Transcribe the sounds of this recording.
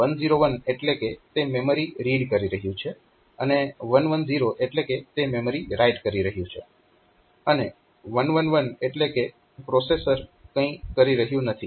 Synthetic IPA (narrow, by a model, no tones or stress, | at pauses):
ʋənziɾoʋəneʈleket̪ememəɾiɾiɖkəɾiɾəɦjũt͡ʃʰe | əneʋənʋənziɾoʔeʈleket̪ememəɾiɾajʈkəɾiɾəɦjũt͡ʃʰḛ | əne | ʋənʋənʋəneʈleke | pɾosesəɾkə̃ĩkəɾiɾəɦjũnət̪ʰi